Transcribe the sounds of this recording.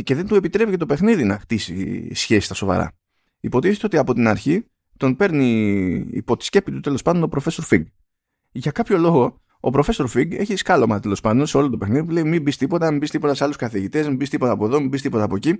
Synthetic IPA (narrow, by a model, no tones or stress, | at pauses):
ce̞ðe̞nt̪ue̞pit̪ɾe̞pice̞t̪o̞pe̞xniðinɐxt̪isḭsçe̞si̥st̪ɐso̞vɐ̰ɾɐ̰ | ipo̞t̪iθet̪eo̞t̪iɐpo̞t̪inɐɾçi | t̪o̞npe̞ɾnḭː | po̞t̪i̥sce̞pit̪ut̪e̞lo̞spɐnd̪onopɾo̞fe̞so̞ɾfiŋɡ | ʝɐkɐpço̞lo̞ɣo̞ | opɾo̞fe̞so̞ɾfiɡe̞çiskɐlo̞mɐt̪e̞lo̞spɐnd̪o̞nse̞o̞lot̪ope̞xniðip̬ule̞imimbist̪ipo̞t̪ɐmimbist̪ipo̞t̪ɐseɐluskɐθiʝit̪e̞zmimbist̪ipo̞t̪ɐːpo̞ðo̞mimbist̪ipo̞t̪ɐːpoci